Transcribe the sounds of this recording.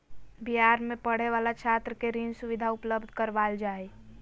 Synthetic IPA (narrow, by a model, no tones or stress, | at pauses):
biɦaːɾmẽpəɽ̤eʋaːlat͡ʃʰaːt̪ɾəkeɾinsʊʋɪd̪ʱaʊpləbd̪ʱkəɾʋaːld͡ʒaːe